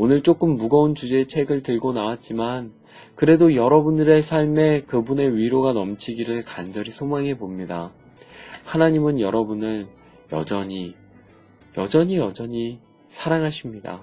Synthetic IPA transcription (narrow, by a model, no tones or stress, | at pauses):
onɯɭt͡ɕ͈ok͈ɯmːuɡʌunt͡ɕud͡ʑe̞ːt͡ɕʰe̞ɡɯɭtɯɭɡonawat̚t͡ɕ͈iman | kɯɾe̞dojʌɾʌbunɯɾe̞sʰaɭme̞kɯbune̞ɥiɾoɡanʌmt͡ɕʰiɡiɾɯɭkand͡ʑʌɾisʰomaŋɦe̞bomɲida | hanaɲimɯnjʌɾʌbunɯn | jʌ̰d͡ʑʌɲi | jʌd͡ʑʌɲijʌd͡ʑʌɲi | sʰaɾaŋɦaɕʰimɲida̰